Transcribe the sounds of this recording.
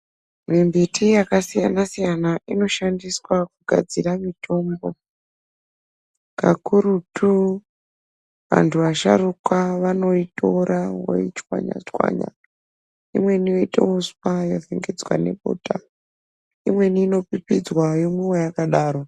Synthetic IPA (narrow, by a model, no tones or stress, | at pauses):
mimbitʰijakasijanasijanaʔino̞ʃandiswakuɡʱa̰d͡ziramitʰo̞ːmbo̞ | kakuɾutu | ʋa̰ntʰuʋaʃa̰rukwaʋano̞ito̞ɾʔawo̰it͡ʃwa̰ɲa̰t͡ʃwa̰ɲa̰ | imwe̞nijo̞itḛospajofeŋɡed͡zwa̰ne̞ɓo̰ːta | imwe̞niːno̞pipid͡zwajomuwojakaɗaːɾo